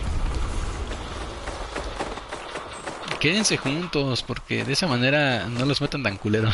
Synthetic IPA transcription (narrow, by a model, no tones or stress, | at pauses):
ke̞ðense̞xunt̪o̞spo̞ɾke̞̰ðesamãne̞ɾano̞lo̞zmet̪ent̪aŋkuleɾo